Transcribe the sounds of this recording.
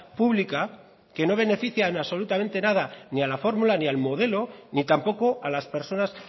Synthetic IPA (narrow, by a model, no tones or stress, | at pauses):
puβlika | ke̞no̞β̞e̞ne̞fiθjaaβso̞lut̪amẽ̞nt̪e̞nað̞anialafo̞ɾmulanialmo̞ð̞e̞lo̞nit̪ampo̞ko̞ʔalaspe̞ɾso̞nas